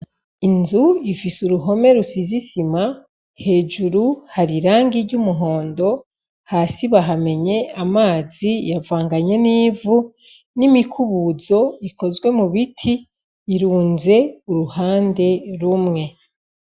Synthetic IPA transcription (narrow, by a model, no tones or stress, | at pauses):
inzuifisuɾuɦo̞me̞ɾusizisima | he̞ːd͡ʒuɾuhaɾiɾaːŋɡiɾɟumuɦo̞ːndo̞ | haːsiβaɦame̞ɲe̞amaːzijavaːŋɡaɲe̞niːvu | nimikʰuβuzo̞iko̞zɡwe̞muβitʰiː | ɾuːnze̞uɾuhaːnde̞ɾumŋe̞